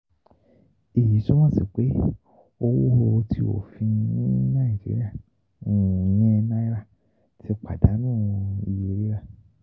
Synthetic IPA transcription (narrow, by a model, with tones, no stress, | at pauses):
e˨ji˨˦ʃu˦mɔ̃˦˨si˨k͡pe˨˦ | o˧wo˦ho˧o˧tʰi˦o̰˦˨fĩ˧nĩ˦nã˦˨d͡ʒḭ˦ɾḭ˦a˦˨ | ũ˦˨ɲĩ˦˧nã˦i˦ɾa˦˨ | ti˦k͡pa˨da˨˦nũː˦˨i˧˨je˧˦ɾi˦ɾa˦˨